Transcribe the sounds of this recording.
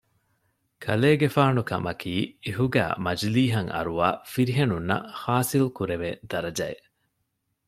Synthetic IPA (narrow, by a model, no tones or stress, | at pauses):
kʰɐleːɡefaːnukɐ̰mɐkʰiːeɦuɡæ̰ːmɐd͡ʒliːɦɐŋɐ̰ɾuʋa̰ːfiɾiɦenunːɐ̰haːsilkuɾeʋḛːd̪̥ɐɾɐd͡ʒɐḛ